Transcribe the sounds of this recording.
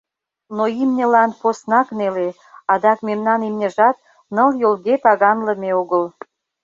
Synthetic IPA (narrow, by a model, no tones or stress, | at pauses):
noimnʲə̆lɑnposnɑknele | ɑd̪ɑkmemnɑnimnʲə̆ʒɑt̪̚ | nəljolɣet̪ɑɣɑnlə̆meoɣəl